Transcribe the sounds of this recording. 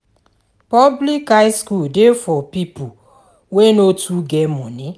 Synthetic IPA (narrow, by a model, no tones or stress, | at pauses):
pɔblikaɪskuldefɔpipu | wenotʰuɡɛmɔ̃ni